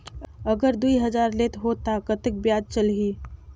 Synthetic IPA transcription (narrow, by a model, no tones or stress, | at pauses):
əɡəɾd̪uiɦəd͡ʒaɾlet̪ɦot̪akət̪ek̚bjad̪̚t͡ʃəlɦi